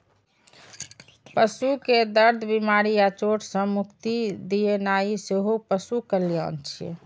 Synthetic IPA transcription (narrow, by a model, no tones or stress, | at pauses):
pəsuked̪əɾd̪ʱbimaɾijat͡ʃoʈʰsə̃mukt̪id̪ijenaiseɦopəsukəlijə̰nt͡ʃʰḭ